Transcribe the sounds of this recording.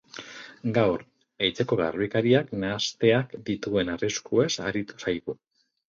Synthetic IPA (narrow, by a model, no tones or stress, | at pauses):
ɡawɾ | ejt͡se̞ko̞ɣa̰rβikaɾiaknaːst̪e̞akd̪it̪ue̞nariskue̞sa̰ɾit̪u̥sajɣu